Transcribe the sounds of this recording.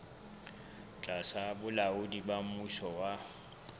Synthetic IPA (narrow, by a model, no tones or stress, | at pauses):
t͡ɬʼasabʊlaʊdibamuʃɔwa